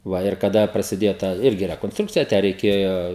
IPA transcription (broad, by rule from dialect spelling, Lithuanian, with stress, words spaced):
ˈʋɐ ɪr kɐˈdɐ prɐsʲɪˈdʲeːjoː ˈtɑː ˈɪrʲɡʲɪ rʲɛkoːnsˈtrʊkt͡sʲɪjɛ ˈtʲæː rʲɛɪˈkʲeːjoː